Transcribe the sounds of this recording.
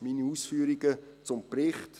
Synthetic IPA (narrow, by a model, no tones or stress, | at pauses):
miːniuːsfyːɾiɡət͡sʊmprɪχt